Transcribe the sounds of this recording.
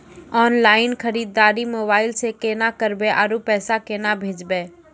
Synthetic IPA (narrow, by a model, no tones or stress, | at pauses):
ɔːnlaːɪnkʰəɾiːd̪ːaːɾimoːbaːɪlsekeːnakəɾbeʔaɾupɛːsakenabʱeːd͡ʒbe